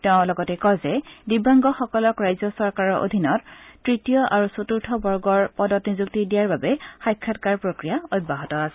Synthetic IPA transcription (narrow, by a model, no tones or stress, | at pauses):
tɛʊ̃lɔɡɔtɛkɔzɛdibaŋɡɔxɔkɔlɔkɹajzɔsɔɹkaɹɔɹʔo̰dʱinɔtːɹitijɔʔaɹusotuɹtʰɔbɔɹɡɔɹpɔdɔtnizuk̚tidijaɹbabɛxajkʰːatkaɹpɹokɹijaoj̚bːaɦɔtɔasɛ̥